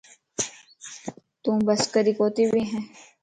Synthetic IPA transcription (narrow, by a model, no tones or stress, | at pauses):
t̪ũːbɐskəɾikoːt̪ibʱiɦɛ̃ː